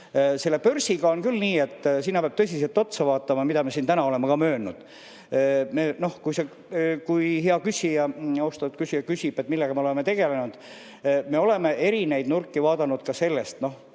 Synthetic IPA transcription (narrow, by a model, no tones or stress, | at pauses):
se̞lːepørsiɡɑo̞nkylniːe̞t̪ːˑsinːɑpeɑb̥̚t̪ɤs̬ʲise̞lt̪o̞t̪sɑvɑːt̪ˑːɑmɑmid̪ɑmesint̪ænɑole̞mɑkɑmø̞ːnud̪̥ | meːno̞hkujse | kujɦeɑkysʲijɑost̪ɑut̪kysʲijɑkysʲib̥e̞t̪ːˑmilːeɡ̥ɑmeole̞met̪e̞ɡ̥e̞le̞nud̪̥ | me̞o̞le̞me̞e̞ɾine̞jd̪nurkˑːivɑːd̪ɑnud̪̥kɑse̞lːe̞st̪no̞h